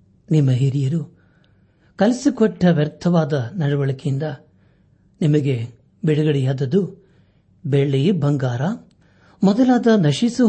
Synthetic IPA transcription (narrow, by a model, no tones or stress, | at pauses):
nimːɐɦiɾijɐɾu | kɐlisikɔʈːɐʋjɐɾt̪ʰɐʋaːd̪ɐnɐɽɐʋɐɭɐkind̪ɐ | nimɐɡe | biɽɐɡɐɽijaːd̪ɐd̪u | beɭːibɐŋɡaːɾɐ | mɔd̪ɐlaːd̪ɐnɐʃisu